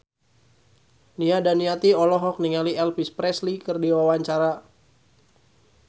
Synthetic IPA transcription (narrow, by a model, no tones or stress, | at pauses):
niadaniat̪iɔlɔɦɔk̚niŋaliɛlpispɾɛslikɨrdiwawaɲt͡ʃaɾa